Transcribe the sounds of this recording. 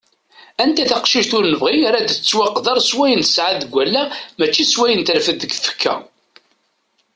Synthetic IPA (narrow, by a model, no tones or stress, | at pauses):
ænt̪æθaqʃiʒt̪ʊɾnəvʁiaɾad̪t͡sːwɑqːðɑɾˤswæjənθə̥sʕaðəɡʷːælːæmæt͡ʃːiswæjənt̪ɾfəd̪əɡfə̥kʰːæ̰